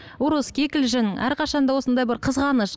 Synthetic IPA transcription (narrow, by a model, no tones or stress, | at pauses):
ʊɾəskʲʰekʲɪlʒɪnʔæ̰ɾqʰɑʃɑnd̪ɑwo̞sənd̪ɑjbɪɾqʰəzʁɑnəʃ